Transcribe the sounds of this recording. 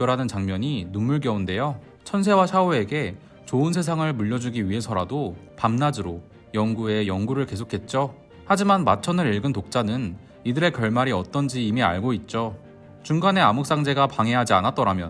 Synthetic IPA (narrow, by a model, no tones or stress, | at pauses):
ʌɾɦanɯnt͡ɕaŋmʌɲinumuɭɡjʌunde̞jo | t͡ɕʰʌns̬ʰe̞wasʰaoe̞ɡe̞ | t͡ɕoɯnsʰe̞s̬ʰaŋɯɭmuʎːʌd͡ʑuɡiɥiɦe̞sʰʌɾadopamnad͡ʑɯɾo | jʌŋɡue̞jʌŋɡuɾɯɭke̞sʰokʰe̞t̚t͡ɕ͈o | had͡ʑimanmat͡ɕʰʌnɯɾiɭɡɯntok̚t͡ɕ͈anɯn | idɯɾe̞kjʌɭmaɾiʌt͈ʌnd͡ʑiːmia̰ɭɡoit̚t͡ɕ͈o | t͡ɕuŋɡane̞amuk̚s͈aŋd͡ʑe̞ɡapaŋɦe̞ɦad͡ʑianat̚t͈ʌɾamjʌ̰n